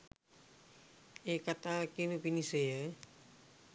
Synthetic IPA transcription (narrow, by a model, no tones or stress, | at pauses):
ekat̪akinupiniseja